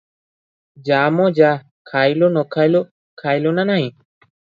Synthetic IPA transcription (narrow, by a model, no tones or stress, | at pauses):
d͡ʒamɔd͡ʒa | kʰajlonɔkʰajlo | kʰajlonanaɦĩ